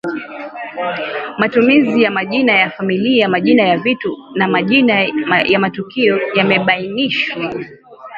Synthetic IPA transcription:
matumizijamaʄinajafamiliamaʄinajavitunamaʄinajamatukiɔjamɛɓainiʃwa

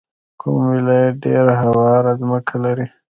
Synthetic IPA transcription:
kʰṵmwɪlajaɖeɾaɦawɑɾazməkʰalaɾi

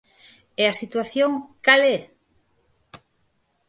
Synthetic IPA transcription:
easit̪waθjoŋkalɛ

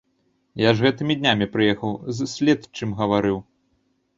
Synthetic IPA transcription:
jaʐɣɛt̪ɨmʲid̪ʲnʲamʲipɾɨjɛxɐwzsʲlʲɛt̪t͡ʂɨmɣɐvaɾɨw

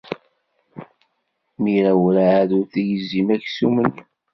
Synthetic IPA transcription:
miɾæwɾaʕːðuɾθæjəzːimæçsumən

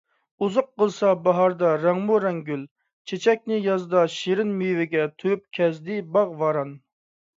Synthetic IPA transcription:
uzʊqqːəlˠsɑbɑɦɑɾd̪ɑɾæŋmuɾɛŋɡʲyl | t͡ʃʰet͡ʃʰɛk̚ʲnɪjɑzd̪ɑʃiɾɪnmyjvɪɡʲɛt̪ʰøyp̚kʲʰɛzd̪ɪbɑʁvɑɾɑn

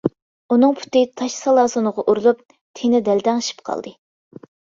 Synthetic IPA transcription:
unɨŋpʰy̥t̪ɪt̪ʰɑʃsɑlˠɑːsonəʁɑʔuɾulˠup̚ | t̪ʰenɪd̪ɛld̪ɛŋʃi̥pqʰɑ̰lˠd̪ɨ

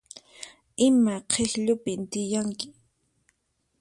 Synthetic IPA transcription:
ɪmaqʰehʎʊpɪnt̪ɪjaŋkɪ̥

